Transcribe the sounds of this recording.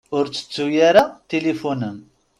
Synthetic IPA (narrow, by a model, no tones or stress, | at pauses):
ʊɾt͡sːə̥t͡sːujaɾat̪elifunəm